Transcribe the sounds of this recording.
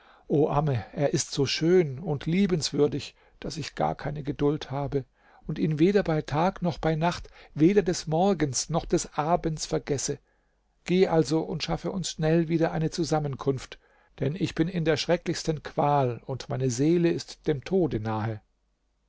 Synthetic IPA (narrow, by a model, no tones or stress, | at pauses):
ʔoːʔaːməʔeːɐʔɪstz̥oːʃøːnʊntʰliːbənsv̥ʏɐdɪç | d̥asɪçɡ̥a̰ːɐkʰaɪnəɡədʊlthaːbə | ʊntiːnveːdɐbaɪtʰaːknɔχb̥aɪnaχtveːdɐdɛsmɔɐɡənsnɔχd̥ɛsʔaːɐbənt͡sfɛɐɡɛsə | ɡ̥eːəʔalzoʔʊntʃafəʔʊnsʃnɛlviːdɐʔaɪnət͡suzamənkʰʊnft | d̥ɛnɪçb̥ɪnɪndeːɐʃʁ̥ɛklɪçstənkʰv̥aːlʊntmaɪnəzeːləɪstd̥eːmtʰoːdənaːɦə